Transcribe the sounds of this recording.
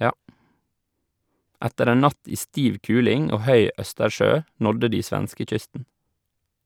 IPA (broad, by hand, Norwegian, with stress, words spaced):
ˈætəɾ ˈeːn ˈnɑt ˈiː ˈstiːʋ ˈkʉːlɪŋ ˈoː ˈhœʏ ˈʔœstəˌʃøː ˈnɔdə ˈdiː ˈsʋænskəˌc͡çʏstn̩